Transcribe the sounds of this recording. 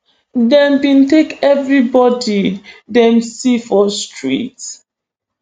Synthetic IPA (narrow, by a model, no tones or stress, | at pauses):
dɛ̃mbĩntekɛvɹibɔdidɛ̃msifɔstɹḭt